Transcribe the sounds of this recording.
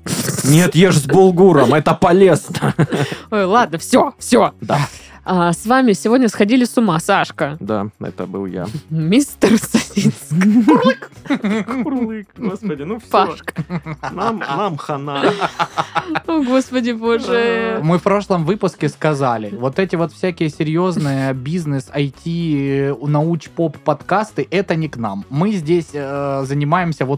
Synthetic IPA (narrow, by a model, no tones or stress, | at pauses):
nʲet̪jeʐzʲbʊlˠɡuɾəmɛt̪əpɐlʲeznəojlˠad̪nəfsʲo̞fsʲod̪a | asvamʲɪsʲɪvodʲnʲəsxɐdʲilʲɪsʊmasaʂkəd̪a̰ɛ̰t̪ə̰bɨlˠja̰mʲist̪ərsɐsʲinskkkurlˠɨkɡospədʲɪnuaʂknamnamxɐna | oɡospədʲɪboʐɨmɨfpɾo̞ʂlˠəmvɨpʊskʲɪskɐzalʲɪvo̞t̪ɛtʲɪvo̞t̪fsʲækʲɪjəsʲɪɾʲjo̞znnɨjəbʲiznɨsɐjtʲinɐut͡ɕpo̞pːɐt̪kast̪ɨʔɛt̪ənʲɪknamːɨzʲdʲesʲzənʲɪmajɪmsʲəvo̞t̪